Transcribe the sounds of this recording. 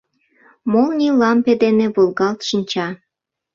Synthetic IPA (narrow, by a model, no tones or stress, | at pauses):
molnʲilɑmped̪eneβolɣɑlt̪ʃinʲt͡ɕɑ